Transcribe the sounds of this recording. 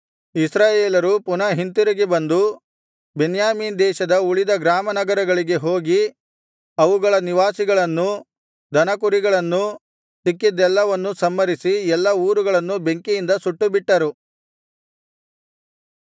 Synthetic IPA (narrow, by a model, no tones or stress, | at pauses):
isɾaːjeːlɐɾupunɐɦint̪uɾɐɡebɐnd̪u | benjaːmiːnd̪ɛːʃɐd̪ɐuɭid̪ɐɡɾaːmɐnɐɡɐɾɐɡɐɭiɡe̞ɦo̞ːɡi | ɐʋuɡɐɭɐniʋaːsiɡɐɭɐnːu | d̪ʱɐnɐkuɾiɡɐɭɐnːu | sikːid̪ɛlːɐʋɐnːusɐmːɐɾisiɛlːɐuːɾuɡɐɭɐnːube̞ŋkijind̪ɐsuʈːubiʈːɐɾu